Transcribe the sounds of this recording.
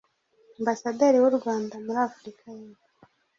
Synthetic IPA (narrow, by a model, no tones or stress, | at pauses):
ambasadeɾiwuɾɡwaːndamuɾafuɾikʰajinu